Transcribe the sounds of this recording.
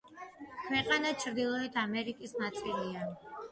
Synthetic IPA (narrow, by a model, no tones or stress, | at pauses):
kʰwɛqʼanat͡ʃʰɾd̪ilˠɔɛt̪ʰamɛɾikʼisnat̪sʼilia